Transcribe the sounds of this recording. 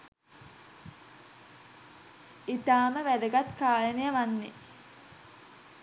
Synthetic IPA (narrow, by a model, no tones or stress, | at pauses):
it̪aːməʋæd̪əɡat̪kaːlənijəʋanːe